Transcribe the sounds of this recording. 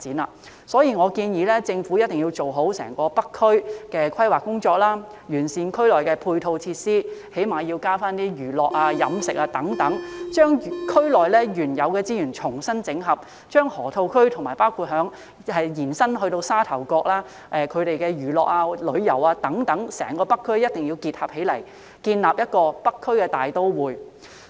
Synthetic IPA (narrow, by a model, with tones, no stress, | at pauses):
t͡siː˨˥naː˧˩ | sɔː˨˥jiː˨˧ŋɔː˨˧kiː˧njiː˨˧lɛː˥t͡sɪ˧ŋfu˨˥jɐ˥t̚t̪ɪ˨ŋji˧wt͡so˨wɦo˨˥wsɛ̰ː˨˩ŋkɔː˧pɐ˥kʰːɵ˥ɥkɛː˧kʰɐ˥jwaː˨kʊ˥ŋt͡ʃɔː˧k̚laː˥ | jyː˨˩nsiː˨nkʰɵ˥lɔː˨˩jkɛː˧pʰuː˧jt̪ʰo˧wt͡sʰiː˧t̚siː˥he˨˥jmaː˨˧ji˧wkaː˥faː˥nt̪iː˥jyː˨˩lɔː˨k̚aː˧jɐ̰˨˧˥msɪ˨k̚aː˧t̪ɐ˨˥ŋt̪ɐ˨˥ŋt͡ʃœː˥ŋ˨kʰɵ˥lɔː˨˩jlɛː˥jyː˨˩njɐ˨˧wkɛː˧t͡siː˥jyː˨˩nt͡ʃʰʊ˨˩ŋsɐ˥nt͡sɪ˨˥ŋɦɐ˨p̚ | t͡ʃœː˥ŋhɔː˨˩t̪ʰo˧wkʰɵ˥ɥt̪ʰʊ˨˩ŋmaː˨˩jpaː˥wkʰuː˧t̚ɦœː˨˥ŋ | hɐ˨jjiː˨˩nsɐ˥nɦɵ˧t̪o˧wsaː˥t̪ʰɐ˨˩wkɔː˧k̚laː˥ | ʔɛː˨kʰɵ˨˧ɥɾe˨jkɛ˧jyː˨˩lɔː˨k̚ʔaː˧lɵ˨˧˥ɥjɐ̰˨˩waː˧t̪ɐ˨˥ŋt̪ɐ˨˥ŋsɛ̰ː˨˩ŋkɔː˧pɐ˥kʰːɵ˥ɥjɐ˥t̚t̪ɪ˨ŋjiː˧wkiː˧t̚hɐ˨p̚he˨˥jlɐ˨˩j | kiː˧nlaː˨p̚jɐ˥t̚kɔː˧pɐ˥kʰːɵ˥ɥkɛː˧t̪aː˨jt̪o˥wwuː˨j